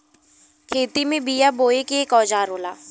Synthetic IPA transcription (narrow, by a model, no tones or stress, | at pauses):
kʰeːt̪imẽbijaboːekeeːkɔːd͡ʒaːɾoːlaː